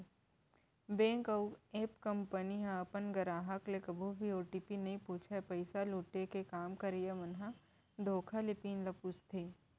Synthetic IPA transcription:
bẽːŋkɐeːpkɐmpəniɦãɐpənɡɐɾaːɦəklekɐbʱubʱioːʈipinɐɦĩpuːt͡ʃʰapɐɪsaluːʈekekaːmkɐɾijeʋɐnɦã | d̪ʱoːkʰalɪpiːnlɐpuːt͡ʃt̪ʰiː

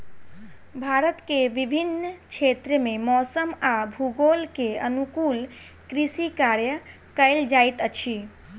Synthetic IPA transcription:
bʱaɾət̪keʋibʱint͡ʃʰet̪ɾəmemɔsəmabʱuɡolkeənukul | kɾisikaɾjə | kəɪld͡ʒajt̪ət͡ʃʰi

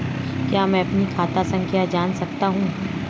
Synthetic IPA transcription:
kjaːmɛ̃ːɐpnikʰaːt̪asɐ̃ŋkʰjad͡ʒaːnsɐkt̪aɦũː

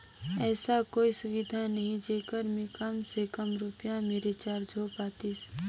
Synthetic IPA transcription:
ɛːsakoːisʊʋɪd̪ʱanəɦĩd͡ʒeːkəɾmẽkɐmsekəmɾʊpɪjãmeːɾet͡ʃaːɾd͡ʒʱoːpaːt̪ɪs

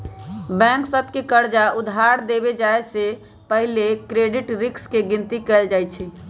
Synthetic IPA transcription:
bɛ̃ŋksəbʱkekəɾd͡ʒaʊd̪ʱɦaɾd̪ebed͡ʒaese | pəɦlekɾeɖɪʈɾɪkskeɡɪ̃nt̪ikɛɪld͡ʒajt͡ʃʰi

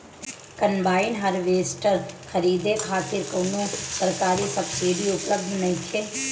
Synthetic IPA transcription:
kɐmbaːɪnɦɐɾʋeːsʈəɾxʰɐɾiːd̪ekʰaːt̪ɪɾkɐːnõsɐɾkaːɾisɐbsiːɖiʊpləbd̪ʱnɐɦĩt͡ʃʰeː

